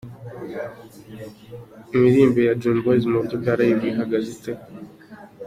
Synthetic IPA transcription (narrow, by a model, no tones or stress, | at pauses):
imiɾiːmbejad͡ʒuːnbozimobɟoɡaɾajiβɡiɦaɡazite